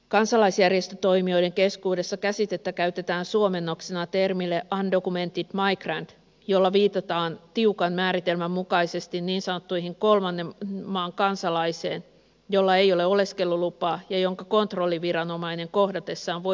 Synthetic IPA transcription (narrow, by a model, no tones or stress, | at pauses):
kɑnsɑlɑisjærje̞st̪øt̪o̞jmio̞jde̞ŋke̞skuːde̞sːɑkæsit̪e̞t̪ːækæyt̪e̞t̪æːnsuome̞nːo̞ksenɑt̪e̞rmilːeʔɑndo̞kume̞nt̪it̪mɑiɡrænd̥ | jo̞lːɑʋiːt̪ɑt̪ɑːnt̪iukɑnmæːɾit̪e̞lmæmːukɑise̞st̪inːiːnsɑnot̪ːujɦiŋko̞lmɑnːemːɑːŋkɑnsɑlɑjse̞ːn | jo̞lːɑe̞jo̞leo̞le̞ske̞lːulupˑɑːjɑjo̞ŋkɑko̞nt̪ro̞lːiʋiɾɑno̞mɑine̞ŋko̞hdɑt̪e̞sːɑːʋʋo